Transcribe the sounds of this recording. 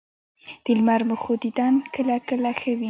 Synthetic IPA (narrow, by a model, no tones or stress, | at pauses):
d̪̥ɪlmaɾmʊxod̪id̪ɑnkəlakəlaxəwi